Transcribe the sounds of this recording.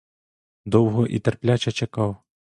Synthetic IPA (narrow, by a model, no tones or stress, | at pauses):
d̪ɔwɣɔʔḭt̪ɛrplʲat͡ʃɐt͡ʃɐkɑw